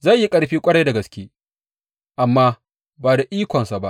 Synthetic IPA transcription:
zɐ˦˨jji˦kʼɐ˦ɽɸiː˦kʷʼɐ˦ɽɐ˦jdɐ˨ɡɐ˨˦skʲeː˦ | ʔa˨mːaː˦ | baː˨da˨ʔiː˦kʷɔ˨nsa˨ba˦ʔ

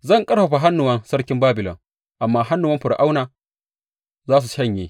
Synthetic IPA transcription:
zɐ˦˨ŋkʼɐ˦ɽɸɐ˨ɸa˨ɦa˦nːʊ˨wɐ˦nsɐ˦ɽkʲɪ˦mbaː˦bɪ˨lɔ̰˨ŋ | ʔa˨mːaː˦ɦa˦nːʊ˨wɐ˦mɸɪ˨ɽʔa˦wnaː˨ | zaː˦s̬u˨ʃɐ˦˨ɲjeː˦

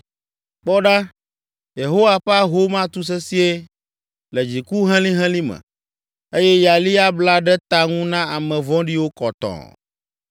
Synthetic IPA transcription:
k͡pɔ˦ɖa˦ | je˨ɦo˦wa˦˨ɸɛ˦a˦ɦo˦mã˦t̪u˦s̬ɛ˦si˦e˦ | lɛ˨d͡ʑi˨ku˦ɦɛ̃˦lĩ˦ɦɛ̃˦lĩ˦mɛ̰̃˨ | e˦jɛ˦ja˨li˦a˦bla˦ɖɛ˦t̪a˦ŋũ˦nã˦a˨mɛ̃˨vɔ̃˦ɖi˦wo˦kɔ˨t̪ɔ̰̃˨

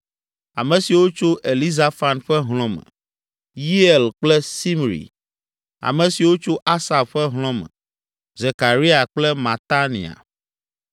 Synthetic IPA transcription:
a˨mɛ̃˨si˨wo˦t͡ʃo˦ʔe˨li˦za˦fa˨nɸɛ˦ɦl̃ɔ̃˦mɛ̰̃˨ | ji˦ɛ˨lk͡plɛ˦si˦m˨ɾḭ˨ | a̰˨mɛ̃˨si˨wo˦t͡ʃo˦ʔa˦sa˨bɸɛ˦ɦl̃ɔ̃˦mɛ̰̃˨ | ze˨ka˨ɾi˦a˨k͡plɛ˦mã˨t̪a˦nḭ̃˨a̰˨

